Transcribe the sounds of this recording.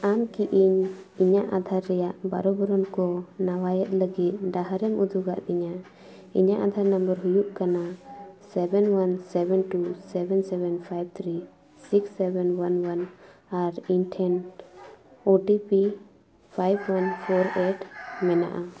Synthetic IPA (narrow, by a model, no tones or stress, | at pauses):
amkiʔiɲiɲaʔad̪ʱaɾːɛjaʔbaɾɔbəɾɔnkɔnawajɛʔ̪̚ləɡit̪̚ˀɖaɦaɾɛmʔud̪ʱuɡaʔd̪ɛɲa | iɲaʔad̪ʱaɾnəmbəɾɦujuʔkanasɛbɛnwansɛbɛnʈusɛbɛnsɛbɛnpʰajb̚t̪ʰɾi | siksːɛbɛnwanwanaɾiɲʈʰɛn | oʈipi | pʰajbwanpʰɔɾeʈmɛna̰ʔa